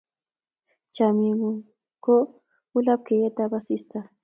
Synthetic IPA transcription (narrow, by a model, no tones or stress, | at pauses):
t͡ʃamiŋ | ko | ʊlap̚kejat̪abasɪst̪a